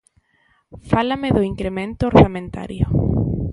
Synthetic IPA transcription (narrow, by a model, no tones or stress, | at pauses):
falameðʊiŋkɾemẽnt̪ʊoɾθamẽnt̪a̰ɾjʊ̰